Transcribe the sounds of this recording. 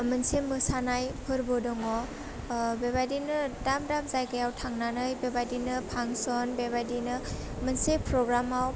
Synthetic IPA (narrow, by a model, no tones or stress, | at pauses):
mənsemɯsanajpʰɯɾbɔdɔŋɔ | bebadinɯdamdamzajɡajawtʰaŋnanɯjbebadinɯpʰaŋsɔnbebadinɯ | mənsepʰɾɔɡɾamaw